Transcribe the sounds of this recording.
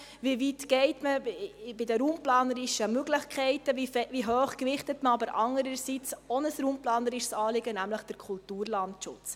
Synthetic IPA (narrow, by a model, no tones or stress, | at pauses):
vivitɡ̥ɛɪtməbɪdəɾuːmplɑːnəɾɪʃəmøɡləχkʰɛɪtəfɛʋiɦøːχkʋɪχtətməɑbəɾʔɑŋəɾəɾsit͡sɔnəsɾuːmplɑːnəɾɪʃsɑːlɪɡənæmləχd̥əɾkʰultuːɾlɑntʃʊ̰t͡s